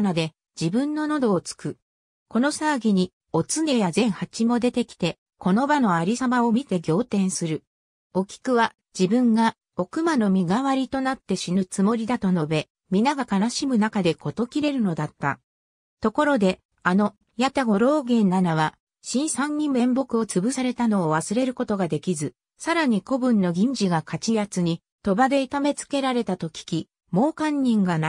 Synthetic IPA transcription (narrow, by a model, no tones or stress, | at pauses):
nad̪e̞ | d͡ʑibɯ̟̃nːo̞no̞d̪o̞ːt͡sɨ̥kɯ̟ | ko̞no̞saːɡʲiɲ̟i | o̞t͡sɨne̞jazẽ̞ɰ̃hat͡ɕimo̞d̪e̞t̪e̞kʲi̥t̪e̞ | ko̞no̞bano̞aɾʲisamao̞mʲit̪e̞ɡʲo̞ːt̪ẽ̞ɰ̃sɨɾɯ̟ | o̞kʲi̥kɯ̟βa | d͡ʑibɯ̟̃ŋɡa | o̞kɯ̟mano̞mʲiɡaβaɾʲit̪o̞nat̪ːe̞ɕinɯt͡sɨmo̞ɾʲid̪at̪o̞no̞be̞ | mʲinaɡakanaɕimɯ̟nakad̪e̞kʰo̞t̪o̞kʲiɾe̞ɾɯ̟no̞d̪at̪ːa̰ | t̪o̞ko̞ɾo̞d̪e̞ | ano̞ | jat̪aɡo̞ɾo̞ːɡẽ̞nnːanaβa | ɕĩɰ̃sãɲ̟ːĩmːẽ̞mbo̞kɯ̟o̞t͡sɨbɯ̟saɾe̞t̪ano̞ːβasɨɾe̞ɾɯ̟ko̞t̪o̞ɡad̪e̞kʲizɨ | saɾaɲ̟iko̞bɯ̟̃nːo̞ɡʲĩɲ̟d͡ʑiɡakat͡ɕijat͡sɨɲ̟i | t̪o̞bad̪e̞it̪ame̞t͡sɨ̥ke̞ɾaɾe̞t̪at̪o̞kʲi̥kʲi | mo̞ːkãɲ̟ːĩŋɡana